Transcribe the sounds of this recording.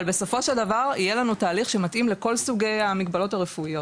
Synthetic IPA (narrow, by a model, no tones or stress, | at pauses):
lbe̞so̞fo̞ʃeldavaʁijelanutaːliχʃe̞mat̪ʔimleko̞lsuɡe̞jamiɡbalo̞taʁefuijo̞t